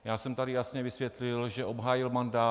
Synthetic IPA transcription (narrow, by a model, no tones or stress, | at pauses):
jaːsɛmt̪adɪjasɲɛvɪsvjɛt̪lɪlʒɛʔo̞bɦaːjɪlmandaː